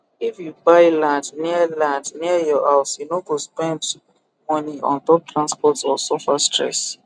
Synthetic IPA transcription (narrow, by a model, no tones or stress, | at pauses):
ifjubaɪlãndniəlãndniəjɔhaʊsjunoɡospɛ̃nd | mɔniɔ̰̃ntɔp̚tʰɹãnspɔtɔsɔfastɹɛ̰s